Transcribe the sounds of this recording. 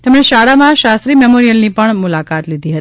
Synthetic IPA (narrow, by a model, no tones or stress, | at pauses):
t̪emɳeʃaɽamãʃast̪ɾimemoɾijəlnipəɳmʊlakat̪lid̪ʱiɦət̪i̥